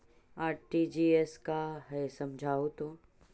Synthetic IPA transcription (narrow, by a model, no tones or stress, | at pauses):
aːɾʈid͡ʒiɛskaɦɛsɐmd͡ʒʱaːot̪õː